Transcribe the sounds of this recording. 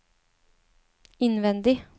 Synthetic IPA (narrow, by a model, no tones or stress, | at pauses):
ɪnʋɛnd̪ɪ